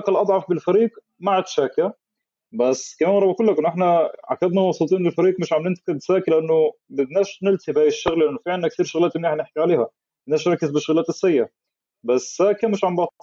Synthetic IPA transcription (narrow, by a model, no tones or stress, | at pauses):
kælʔɑd̪ˤʕɑfbɪlfæɾiːq | maʕat̪ʃæːkæ | bæsːkæmæːnwɾˤɑbʔækulːækʔɪnːʔeħnæʕa̰kːæd̪næwɑsˤuːt̪ˤiːnlelfæɾiːqmɪʃʕamnɪnt̪kɪd̪sæːklʔænːʊbɪd̪næːʃnelt̪ibæːɪʃːæɣlʔænːofiʕelnːæk̚t̪iːɾʃoɣlæːt̪ɪmːiħneħkiʕaleːhæ | bɪd̪næːʃɾˤɑkːezbɪʃoɣlæːt̪ɪsːæjːæ | bæsːæːkæmɪʃʕambɑt̪ˤɑ